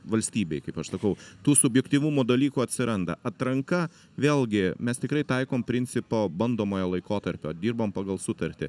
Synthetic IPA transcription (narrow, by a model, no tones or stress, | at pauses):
ʋɐlʲsʲt̪ʲiːbʲeɪkɐɪpɐʃsɐkɐʊt̪uːsʊbʲjɛkt̪ʲiʋumuːd̪ɐlʲiːkuːɐt̪ʲsʲɪɾɐnd̪ɐʔɐt̪ɾɐŋkɐ | ʋʲeːlʲˠɡʲɪmʲɛst̪ʲɪkɾɐɪt̪ɐɪkoːmpʲɾʲɪnʲt̪t͡ssʲɪpoːbɐnd̪oːmoːjolˠɐɪkoːt̪ɐɾʲpʲoːd̪ʲiːɾboːmpɑːɡɐlˠsʊt̪ɐɾʲt̪ʲɪ